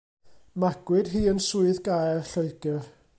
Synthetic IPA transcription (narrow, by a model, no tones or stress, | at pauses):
maɡ̥wɪd̥ɦiːənsuɨðɡajrɬəɨɡ̥ɪr